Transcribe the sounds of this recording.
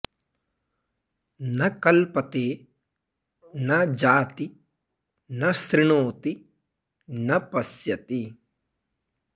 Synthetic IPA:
nɐkɐlpɐt̪eː | nɐd͡ʒaːt̪i | nɐst̪ɾɪɳoːt̪i | nɐpɐsjɐt̪i

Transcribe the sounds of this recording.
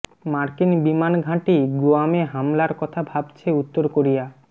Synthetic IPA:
maɾkinbimanɡʱãʈiɡoameɦamlaɾkɔt̪ʰabʱabt͡ɕʰeut̪ːoɾkoɾija

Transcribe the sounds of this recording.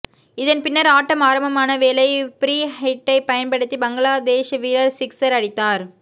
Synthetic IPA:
ɪðɐnpɪnːɐɾaːʈːɐmaːɾɐmbɐmaːnɐʋeːlɐɪpɾiːhɐɪʈːɐɪpɐjɐnpɐɽɯt̪ːibɐŋɡɐɭaːd̪eːʂɐʋiːlɐɾsɪksɐɾɐɽɪt̪ːaːɾ

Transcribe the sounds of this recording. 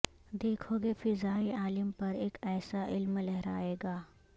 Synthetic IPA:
d̪eːkʰoːɡefɪzaːiaːlɪmpɐɾeːkɛːsaʔɪlmlɛɦɾa̰ːeːɡaː

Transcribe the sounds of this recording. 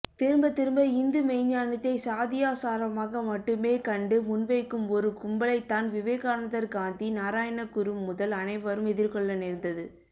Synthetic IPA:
t̪ɪɾɯmbɐt̪ɪɾɯmbɐɪnd̪ɯmɛɪɲːaːnɐt̪ːɐɪsaːðɪjaːsaːɾɐmaːɣɐmɐʈːɯmeːkɐɳɖɯmʊnʋɐɪkːɯmɔɾɯkʊmbɐlɐɪt̪ːaːnʋɪʋeːɣaːnɐðɐɾkaːnd̪inaːɾaːjɐnɐkʊɾɯmːʊðɐlɐnɐɪʋɐɾɯmɛðɪɾkɔɭːɐnɪɾnd̪ɐðɯ

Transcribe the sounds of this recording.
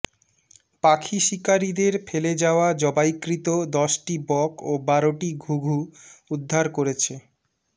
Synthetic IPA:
pakʰiʃikaɾid̪eɾfeled͡ʑaoad͡ʑɔbajkɾit̪od̪ɔʃʈibɔkobaɾoʈiɡʱuɡʱuud̪ʱːaɾkoɾet͡ɕʰe

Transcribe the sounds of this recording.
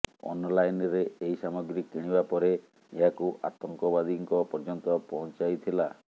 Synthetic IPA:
ɔ̰nlajnɾeeɦisamɔɡɾikːiɽ̃ibapɔɾe | eɦakuʔat̪ɔŋkɔbad̪iŋkɔpɔɾd͡ʒɔnt̪ɔpɔɦɔnt͡ʃajt̪ʰila

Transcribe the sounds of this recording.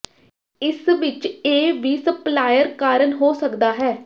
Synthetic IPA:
ɪsʋɪt͡ʃeːʋiːsəplaːjəɾkaːɾənɦoːsəkd̪aːɦɛː

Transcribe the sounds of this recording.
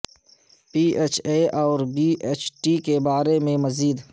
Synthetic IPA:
piːeːt͡ʃʰeʔɔːɾbiːʔeːt͡ʃʈikebaːɾemẽmɐziːd̪

